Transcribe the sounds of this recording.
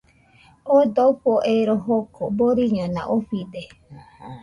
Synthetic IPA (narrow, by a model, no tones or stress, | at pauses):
od̪oɸoʔeɾoɦokʰoboɾiɲõnã̰ʔoɸide